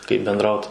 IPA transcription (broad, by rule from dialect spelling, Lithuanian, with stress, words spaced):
kɐɪp bʲɛnˈdrɐʊt